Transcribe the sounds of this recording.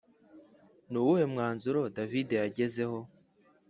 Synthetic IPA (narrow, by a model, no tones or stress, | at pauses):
nuːwuhe̞mŋaːnzuɾo̞davide̞jaɟe̞ze̞ho̞